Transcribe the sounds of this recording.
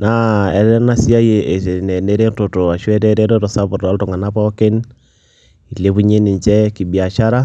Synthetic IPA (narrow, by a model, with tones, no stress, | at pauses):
na˨ɛ˨ɾɛ˦na˦sja˦je˨e˨e˨nɛ˨ne˦ɾe˦to˨to˨a˨ʃwɛ˦ɾɛ˦ɾe˦ɾo˦to˨sa˦βo˨ɾa˨˦lto˨ŋa˨na˦pɔ˦ke˦n | i˨le˦βu˦ɲe˦ni˨ɲt͡ʃɛ˦ki˨bja˨ʃa˦ɾa˦